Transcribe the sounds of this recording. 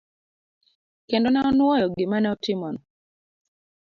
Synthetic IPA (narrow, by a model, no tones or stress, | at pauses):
kendɔnɛɔnwɔjɔɡɪmanɛɔtɪmɔn